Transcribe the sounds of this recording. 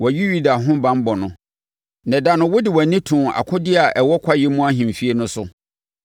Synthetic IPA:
wɔ˨ɥi˦ju˦da˨ɦʊ̃˦bã˦m˦bɔ˨nʊ̃˨ | nɛ̃˨da˨nʊ̃˦wʊ˦dɪ˨wa˨nĩ˦tʰũ˨a̰˨kʰʊ̃˦dɪ˦a˨ʔɛ˨wɔ˦kʰa˦jɛ˦mũ˦a˦ɦĩ˨m˨fi˦e˦nʊ̃˦sʊ˦

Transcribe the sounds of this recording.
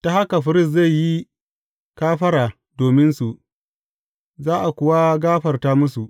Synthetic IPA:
ta˨ha˦ka˨ɸɪ˨ɾɪ˦˨s̬za˦˨jji˦ | kaː˦ɸɐ˦ɾaː˨ | doː˨mɪ˦nsu˨ʔ | zaː˦ʔa˨kʷʊ˨wa˦ɡaː˦ɸɐ˨rtaː˦mʊ˦su˨ʔ

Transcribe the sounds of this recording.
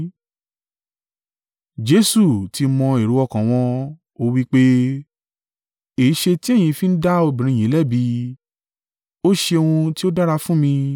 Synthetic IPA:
d͡ʒe˨˦su˦˨ti˧mɔ̃˧e˨ɾu˨˦ɔ˧kã˨w̃ɔ̃˧ | o˧wi˦k͡pe˦ | e˨˦ʃe˧ti˦e˦˨j̃ĩ˧fĩ˦n̩˦da˦o˧bĩ˨ɾ̃ĩ˧˨ĩ˨˦lɛ˦˨bi˧ | o˦ʃe˧o˧ũ˧ti˦o˦da˦ɾa˧fũ˦mĩ˧

